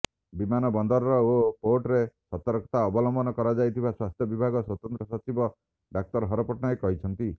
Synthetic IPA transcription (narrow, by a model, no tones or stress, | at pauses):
bimanɔbɔnd̪ɔɾɔɾɔopoɾʈɾesɔt̪ɔɾkɔ̥t̪aɔbɔlɔmbɔnɔkɔɾad͡ʒajt̪ʰibaswast̪ʰjɔbibʱaɡɔswɔt̪ɔnt̪ɾɔsɔt͡ʃibɔ | ɖak̚t̪ɔɾɦɔɾɔpɔʈnɔekɔɦit͡ʃʰɔnt̪i